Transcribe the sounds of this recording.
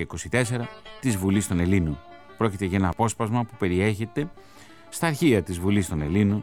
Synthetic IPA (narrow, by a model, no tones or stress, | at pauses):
eiko̞sit̪e̞se̞ɾɐt̪izvulist̪o̞ne̞linon | pɾo̞cit̪e̞ʝɐe̞nɐːpo̞spɐzmɐpupe̞ɾie̞çe̞t̪e̞ | st̪ɐːɾçiɐt̪izvulist̪o̞ne̞lino